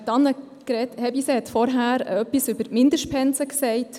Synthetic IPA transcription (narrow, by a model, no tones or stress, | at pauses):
tɑnːə | kɾɛthɛbisehɛt̪fɔɾɦæːɾə̰œpːisʉbəɾtmɪndəʃtpʰɛnsəksɛɪt